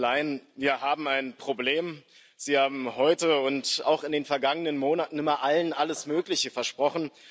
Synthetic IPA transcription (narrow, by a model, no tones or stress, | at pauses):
laɪnviːɐɦaːbm̩aɪnpʁ̥obleːm | z̥iːhaːbm̩hɔʏtəʊnta̰ʊxɪndeːnfɛɐɡaŋənənmoːnatn̩ɪmɐʔalənʔaləsmøːklɪçəfɛɐʃpʁ̥ɔχn̩